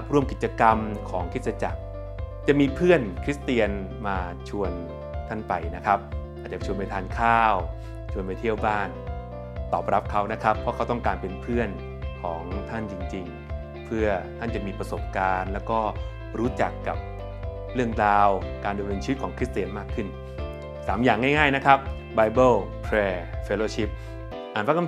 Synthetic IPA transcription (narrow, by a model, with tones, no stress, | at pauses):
pɾu˥˩əmki˨˩t̪̚t͡ɕa˧ka˧mkʰɔː˩˦ŋkʰi˦˥t̪̚sa˧t͡ɕa˨˩k̚ | t͡ɕa˨˩miː˧pʰɯ˥˩ənkʰɾi˦˥st̪i˧ən | maː˧t͡ɕʰu˧ən | t̪ʰa˥˩npa˧jna˦˥kʰa˦˥p̚ʔaː˨˩t͡ɕa˨˩t͡ɕʰu˧np̬a˧jt̪ʰaː˧nkʰaː˥˩w | t͡ɕʰu˧ənpa˧jt̪ʰi˥˩əwbaː˥˩n | t̪ɔː˨˩p̚ɾa˦˥p̚kʰa˦˥wna˦˥kʰa˦˥pʰːɔ˦˥kʰa˦˥wt̪ɔ˥˩ŋkaː˧npe˧npʰɯ˥˩ən | kʰɔː˩˦ŋt̪ʰa˥˩nt͡ɕi˧ŋt͡ɕi˧ŋ | pʰɯ˥˩ɐt̪ʰa˥˩nt͡ɕa˨˩miː˧pɾa˧so˨˩p̚kaː˧nlɛː˦˥wkɔː˥˩ | ɾuː˦˥t͡ɕa˨˩kːa˨˩p̚ | ɾɯ˥˩əŋɾaː˧wkaː˧nda˧mnɤː˧nt͡ɕi˦˥t̚kʰɔː˩˦ŋkʰɾi˦˥t̪̚t̪iː˩ənmaː˥˩kʰːɯ˥˩n | saː˩˦mjaː˨˩ŋːaː˥˩jŋaː˥˩jna˦˥kʰa˦˥p̚ | ba˧jbɤː˥˩lpʰɾɛː˧fe˧˩loː˧˩ɕi˦˥p̚ | ʔaː˨˩npʰa˥kːm